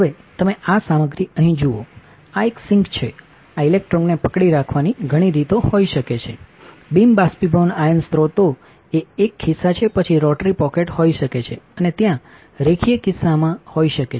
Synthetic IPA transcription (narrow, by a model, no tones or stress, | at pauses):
ɦəʋet̪əmeasaməɡɾiəɦĩd͡ʒuo | aeksɪŋkt͡ʃʰe | ailek̚ʈɾɔnnːepəkɽiɾakʰʋaniɡʱəɽ̃iɾit̪oɦoiʃəket͡ʃʰḛ | bimbaspibənajənst̪ɾot̪o | eekːɪsat͡ʃʰepət͡ʃʰiɾɔʈɾipɔkeʈhoiʃəket͡ʃʰeənet̪jã | ɾekʰijəkɪsamãhoiʃəke